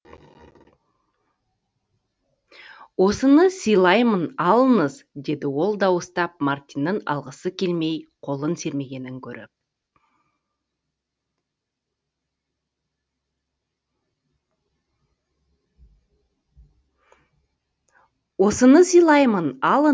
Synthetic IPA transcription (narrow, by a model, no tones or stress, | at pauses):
wo̞sənəsijlˠɑjmənɑlˠənəzd̪e̞d̪ɪwo̞lˠd̪ɑwəst̪ɑp̚mɑɾt̪ijnːənɑ̰lˠʁəsəkʲʰe̞lme̞jqʰo̞lˠənse̞ɾme̞ɡʲe̞nɪŋkʲʰɵɾɪ̰p̚ | wo̞sənəsijlˠɑjmənɑlˠə